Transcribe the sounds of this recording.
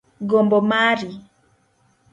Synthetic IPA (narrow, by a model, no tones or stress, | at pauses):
ɡombɔmaɾi